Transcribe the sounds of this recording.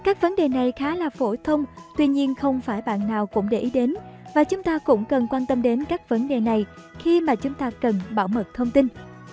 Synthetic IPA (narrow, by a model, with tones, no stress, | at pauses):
kaː˦˥k̚və˨˦nɗe˨˩na˨˩jxaː˨˦laː˨˩fo˧˩t̪ʰə˧wŋ͡mt̪wi˧ɲi˧ənxə˧wŋ͡mfaː˧˩jɓa̰ː˧˨nːaː˨˩wkʊ̰˧˥ŋ͡mɗḛ˧˩ʔi˨˦ɗe˨˦nvaː˨˩t͡ɕʊ˨˦ŋ͡mt̪aː˧kʊ̰˧˥ŋ͡mkə˨˩nkwaː˧nt̪ə˧mɗe˨˦nkaː˦˥k̚və˨˦nɗe˨˩na˨˩j | xi˧maː˨˩t͡ɕʊ˨˦ŋ͡mt̪aː˧kə˨˩nɓa̰ː˧˩wmə˨˩t̚t̪ʰə˧wŋ͡mt̪ï˧n